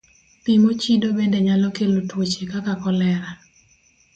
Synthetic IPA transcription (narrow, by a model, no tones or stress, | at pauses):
pimot͡ʃidobendeɲalɔkelotwot͡ʃekakakɔlɛɾa